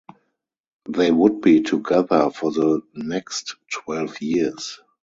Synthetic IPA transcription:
ðeɪwʊd̚biːtʰuɡɛðə˞fɔðənɛkstwɛlvjis

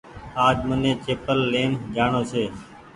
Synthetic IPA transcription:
aːd͡ʒmənẽːt͡ʃeːpəlːeːmd͡ʒaːɳoːseː

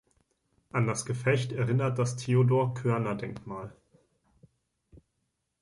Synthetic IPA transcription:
ʔandasɡ̥əfɛçtɛɐʁɪnɐt̚d̥astʰeːodoːɐkʰœɐnɐdɛŋkmaːl

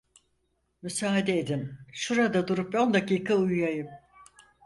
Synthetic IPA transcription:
mysaːɦad̪eed̪imʃuɾad̪ad̪uɾup̚o̞nd̪akiːkʰaujjajɯm

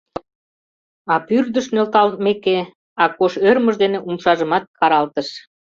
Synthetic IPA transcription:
ɑpyrd̪əʃnølt̪ɑlt̪̚meke | ɑkoʃørməʒd̪eneʔumʃɑʒə̆mɑt̪̚kɑɾɑlt̪əʃ

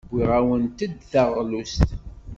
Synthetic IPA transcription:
bʷːiʁæwənt̪əd̪θɑʁlust̪

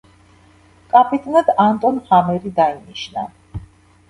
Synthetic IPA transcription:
kʼapʰʼit̪ʼnad̪ant̪ʼɔnhamɛɾid̪ainiʃna̰

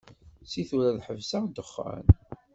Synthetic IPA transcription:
siθuɾæðħəvsæd̪əχːæ̰n

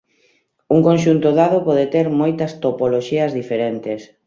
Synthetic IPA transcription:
uŋkõnʃ̬unt̪ʊðaðopɔðet̪eɾmojt̪ɐst̪opoloʃiɐzðifeɾent̪es

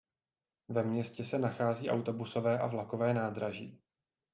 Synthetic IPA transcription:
vɛmɲɛscɛsɛnaxaːziːʔawt̪o̞buso̞vɛːʔa̰vlakovɛːnaːd̪ɾaʒiː

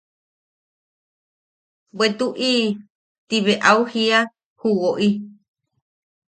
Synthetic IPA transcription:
bet̪uʔi | t̪iβeʔauhia | huwoʔi

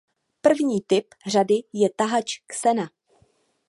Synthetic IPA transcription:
pr̩vɲiːt̪ɪp | r̝adɪjɛt̪aɦat͡ʃksɛna

